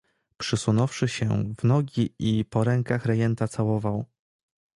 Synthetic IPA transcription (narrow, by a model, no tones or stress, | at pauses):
pʂɘsunɔfʂɘɕɛ̰vnɔɡʲiipɔɾɛŋkaxɾɛjɛnt̪at̪sawɔvaw